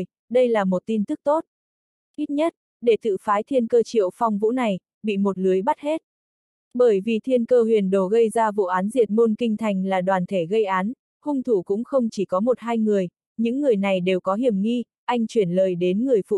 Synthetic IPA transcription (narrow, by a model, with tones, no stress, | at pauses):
j | ɗə˧jlaː˨˩mo˨˩t̚t̪i˧nt̪ɨ˦˥k̚t̪o˦˥t̚ | ʔi˦˥t̚ɲə˦˥t̚ | ɗe˧˩t̪ɨ̰˧˨faː˨˦jt̪ʰi˧ənkəː˧t͡ɕḭ˧˨əwfa˧wŋ͡mvṵ˧˥na˨˩j | ɓḭ˧˨mo˨˩t̚lɨ˨˦əjɓa˦˥t̚he˦˥t̚ | ɓəː˧˩jvi˨˩t̪ʰi˧ənkəː˧hwi˨˩ənɗo˨˩ɣə˧jzaː˧vṵ˧˨ʔaː˨˦nzi˨˩ət̚mo˧nkï˧ŋ̟t̪ʰa˨˩jŋ̟laː˨˩ɗwaː˨˩nt̪ʰe˧˩ɣə˧jʔaː˨˦n | hʊ˧ŋ͡mt̪ʰu˧˩kʊ̰˧˥ŋ͡mxə˧wŋ͡mt͡ɕi˧˩kɔ˨˦mo˨˩t̚ɦaː˧jŋɨ˨˩əj | ɲɨ̰˧˥ŋːɨ˨˩əjna˨˩jɗe˨˩wkɔ˨˦ɦi˧˩əmŋi˧ | ʔa˧jŋ̟t͡ɕwi˧˩ənləː˨˩jɗe˨˦nŋɨ˨˩əjfṵ˧˨